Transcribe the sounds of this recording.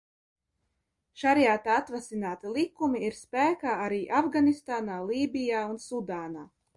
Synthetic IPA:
ʃaɾjaːt̪aat̪vasinaːt̪ilˠikumiiɾspæːkaːaɾiːʔavɡanist̪aːnaːlˠiːbijaːunsud̪aːnaː

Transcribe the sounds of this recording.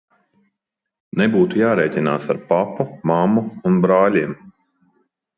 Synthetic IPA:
nɛbuːt̪ujaːɾɛːjc̪ʲina̰ːsaɾpapumamuunbɾaːlʲiɛm

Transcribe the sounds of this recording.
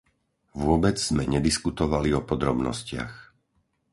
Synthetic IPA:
ʋʊɔbɛd͡zz̥mɛɲɛd̪iskut̪ɔʋaliɔpɔd̪ɾɔbnɔ̰scɪa̰x

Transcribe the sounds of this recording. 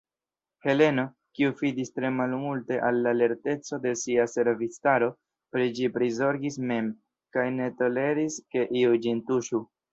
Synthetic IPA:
he̞le̞no̞ | kiufidistɾe̞malmulte̞ʔalːaːle̞ɾte̞t͡so̞de̞siase̞ɾvistaɾo̞ | pɾid͡ʒipɾizo̞ɾɡisme̞m | kajne̞to̞le̞ɾiske̞ʔiud͡ʒintuʃu

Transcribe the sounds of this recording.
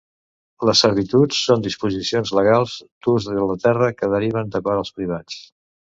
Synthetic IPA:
ləsːəɾtit̪ut͡sːond̪ispuzisionzləɣ̞alˠzd̪uzðlət̪ɛrəkəðəɾiβ̞ənd̪əkɔɾəlˠspɾiβ̞at͡s

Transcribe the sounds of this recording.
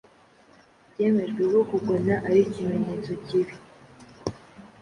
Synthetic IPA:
bɟe̞ːme̞ʒɡweɡokuɡonaʔaɾicimeɲet͡so̞ciβi

